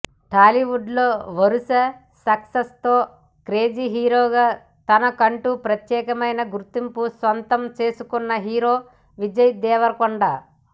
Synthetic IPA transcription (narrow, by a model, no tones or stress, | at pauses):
ʈʰaːliʋuɖloːʋɐɾusɐ | sɐksɐst̪oː | kɾe̞ːd͡ʒiɦiːɾoːɡaː | t̪ɐnɐkɐɳʈupɾɐt̪jɛːkɐmɐjnɐɡuɾt̪impusʋɐnt̪ɐmt͡ʃe̞ːsukunːɐɦiːɾo̞ː | ʋid͡ʒɐjd̪ɛːʋɐɾkoɳɖaː